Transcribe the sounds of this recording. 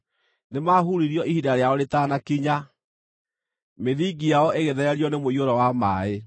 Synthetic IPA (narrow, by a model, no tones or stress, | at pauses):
nemaɦuɾiɾiɔʔihidaɾeaɔɾetanakiɲa | meðiɡijaɔʔeɣeðɛɾɛɾjɔnemoioɾɔwamaːe